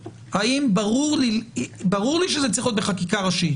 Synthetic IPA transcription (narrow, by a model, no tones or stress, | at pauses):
haimbaʁuʁlibaʁuʁliʃ̬ezet͡siχjot̪beχakikaʁaʃi